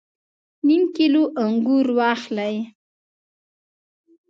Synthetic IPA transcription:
nimkiloʔaŋɡuɾwɑxlaj

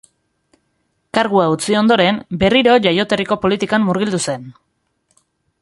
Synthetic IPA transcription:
kaɾɣuaut͡sio̞nd̪o̞ɾe̞mbe̞riɾo̞ʝajo̞t̪e̞riko̞po̞lit̪ikamːuɾɣ̞ild̪use̞n

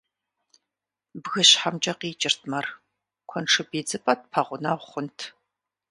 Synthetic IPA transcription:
bɣɨɕħamt͡ʃʼɐqiːt͡ʃʼɪrtʰmɐr | kʷʰɔnʈ͡ʂʰɨbeːd͡zɨpʼɐt̚pʰɐʁʷʊnɐʁʷχʷʊntʰ

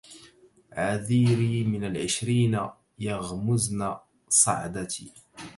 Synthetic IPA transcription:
ʕaðiːɾiːmɪnalʕɪʃɾiːna | jaɣmʊzna | sˤɑ̰ʕd̪at̪iː

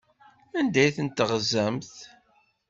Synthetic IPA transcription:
ænd̪æjθənt̪əʁzæmθ

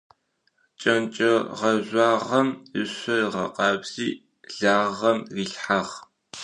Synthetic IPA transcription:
t͡ʃʼɐnt͡ʃʼɐʁɐʑʷɑːʁɐmɨ̰ɕʷɐʁɐ̰qɑːbz̥iː | ɮaːʁɐmriːɬħaʁ

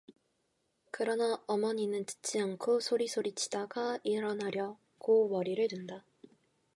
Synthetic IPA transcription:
kɯɾʌnʌːmʌɲinɯnt͡ɕɯ̥t͡ɕ͈iaŋkʰosʰoɾisʰoɾit͡ɕʰi̥daɡaiɾʌnaɾjʌ | kowʌɾiɾɯɭɾɯnda

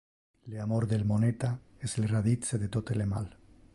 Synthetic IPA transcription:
leamoɾðelmonet̪a | eselraðit͡seðet̪ot̪elema̰l

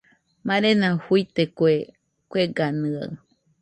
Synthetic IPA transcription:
mãɾenãhuijt̪ekʷe | kʷeɡanɨ̃a̰ɨ

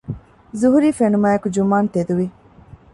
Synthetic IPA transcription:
zuɦuɾiːfenumaːjekud͡ʒumaːnt̪ed̪uʋi

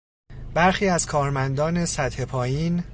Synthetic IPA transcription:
b̥æɾxiːæz̥kʰɒːɾmænd̪ɒːne̞sæt̪he̞pʰɒːjiːn

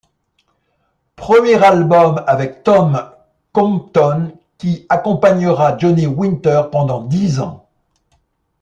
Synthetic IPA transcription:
pχəmjɛʁalbɔmavɛk̚t̪ɔm | kɔ̃mt̪ɔn | kʲiakɔ̃paɲəʁad͡ʒɔniwĩnt̪œʁpɑ̃d̪ɑ̃d̪izɑ̰̃

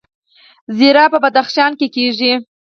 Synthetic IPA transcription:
ziɾɑpəbad̪axʃɑnkekeʒi

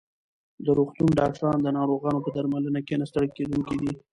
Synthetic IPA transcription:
d̪əɾoxt̪unɖɑkʈɑnd̪ənɑɾoɣɑnopəd̪aɾmalənakenast̪əɽəked̪uŋkid̪i

